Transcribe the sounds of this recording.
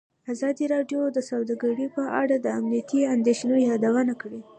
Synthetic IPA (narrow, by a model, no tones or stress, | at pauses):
azɑd̪iɾɑɖjod̪əsawd̪aɡaɽipəʔa̰ɽad̪əamnijat̪iand̪eʃnojɑd̪awanakɽi